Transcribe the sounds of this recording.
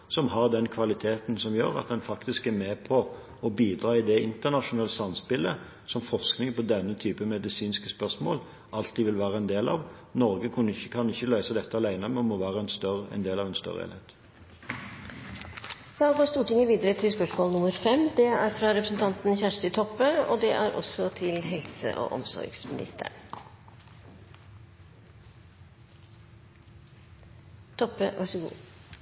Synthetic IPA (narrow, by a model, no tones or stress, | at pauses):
sɔmɦɑʁd̪ɛnkʰʋɑlɪt̪ʰeːt̪n̩sɔmjø̰ːɾɑ̰t̪̚d̪ɛnfɑkt̪ɪskæɾmeːpʰɔ | ɔbiːd̪ɾɑːɪd̪ɛɪnt̪əʁnɑʂʊnɑːlsɑmspɪlə | sɔmfɔʁsknɪŋpɔd̪ɛnːət̪ʰyːpəmɛd̪ɪsiːnskəspœʁʂmo̰ːl | ʔɑlt̪ːiʋɪlʋæːʁəɛnd̪eːlɑ̰ʋ | nɔʁɡəkʰʉnːɪçːəkʰɑnɪçːəlœʏsəd̪ɛt̪ːəɑlæɪnəmɛɔmɔʋæːʁəɛnst̪œɾəɛ̰nd̪eːlɑːʋɛnst̪œ̰ʁə̰ḛːlhḛːt̪ | fɑːoːɡoːst̪uːʈɪŋəʋiːd̪əɾət̪ʰɪlspœʂmoːlnʊməɾfɛmd̪ɛæɾfɾɑːɾɛpɾəsn̩t̪ʰɑnt̪nçæʂʈ̪ət̪ʰɔpːəo̰ːd̪ɛʔæɾʔɔ̰sɔt̪ʰɪlɦɛlsə̰ʔo̰ːʔɔ̰msɔ̰ɾɡsmɪ̰nɪ̰st̪ʰə̰ɳ | t̪ʰɔpːəʋʔæʂəɡṵː